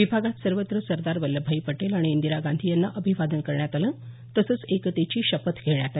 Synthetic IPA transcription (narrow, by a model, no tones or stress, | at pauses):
ʋibʱaɡat̪səɾʋət̪ɾəsəɾd̪aɾʋəlːəbʱaipəʈelaɽ̃iːnd̪iɾaɡand̪ʱijanːaʔəbʱiʋad̪ənkəɾɳjat̪alən | t̪əsət͡sekt̪et͡ɕiːɕəpət̪ɡʰʱeɳjat̪a